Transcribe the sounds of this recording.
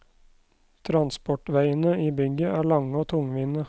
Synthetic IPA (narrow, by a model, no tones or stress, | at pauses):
t̪ʰɾɑnspɔʈʋæɪənəiːbʏɡəʔæːɭɑŋəoːt̪ʰʊŋʋiːnə